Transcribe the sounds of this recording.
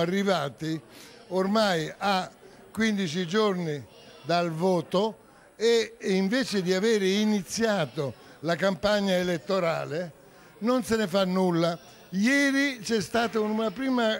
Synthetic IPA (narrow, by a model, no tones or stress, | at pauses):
arːivaːt̪iormaja | kːwind̪it͡ʃid͡ʒorni | d̪alvɔːt̪o | eiɱveːt͡ʃɪd̪iaveːɾɪinit̪sːjaːt̪olakampaɲːaelet̪ːoɾaːle | nonsɪnɪfanːulːa | jɛːɾit͡ʃɛst̪aːt̪aununapɾiːma